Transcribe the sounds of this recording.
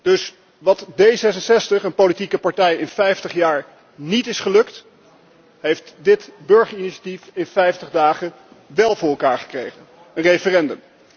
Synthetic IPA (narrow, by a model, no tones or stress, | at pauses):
d̥ɵs | ʋɑtdejzɛs̬ənsɛstəχənpolitikəpɑɹtɛjɪnfɛjftəχjaːɹ | nitɪsχəlɵkt | ɦejftdɪtbɵɹχəɹiniʃḁtifɪnfɛjftəχdaːχən | ʋɛlˠvʊːɹɛlˠkaːɹχə̥krejχən | ənrefərɛndəm